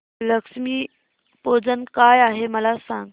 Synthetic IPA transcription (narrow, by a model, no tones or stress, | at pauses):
ləkʂmiː | pod͡zənkajaɦeməlasãŋɡ